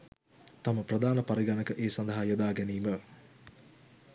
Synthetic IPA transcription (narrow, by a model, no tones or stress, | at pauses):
t̪ɐməprɐd̪aːnəpɐɾiɡanəkəʔeːsɐnd̪ɐɦajod̪aːɡɛniːmə